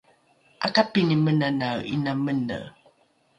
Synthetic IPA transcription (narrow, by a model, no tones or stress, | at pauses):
ʔa̰kapinimənanawḭnamənə̰